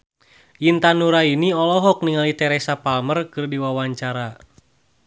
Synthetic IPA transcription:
int̪anuɾainiɔlɔɦɔk̚niŋalit̪ɛɾɛsapalmərkɨrdiwawaɲt͡ʃaɾa

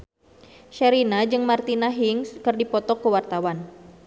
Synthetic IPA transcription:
ʃɛɾinad͡ʒɨŋmart̪inaɦiŋskɨrdipɔt̪ɔkəwart̪awan

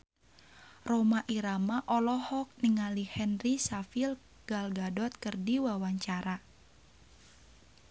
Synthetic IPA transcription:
romaʔiɾamaʔɔlɔhɔk̚niŋalihɛnrisafil | ɡ̥alɡadɔt̪̚kərdiwawaɲt͡ʃaɾa

